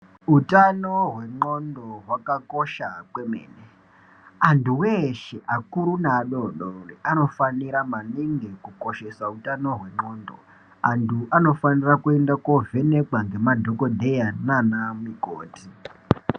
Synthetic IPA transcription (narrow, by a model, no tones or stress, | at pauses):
utanoɦwe̞ŋ͡ǃo̞ndo̞ɦwakakoʃakwemḛːne | antʰuweʃeʔakuɾunaɗoɗoriʔano̞faniɾamaniŋɡikuko̞ʃe̞sautano̞ɦwe̞ŋ͡ǃo̞ːndo̰ | antʰuʔano̞fanirakue̞ndakove̞ne̞kwaŋɡe̞madʱo̞kodʱejananamiko̰ːti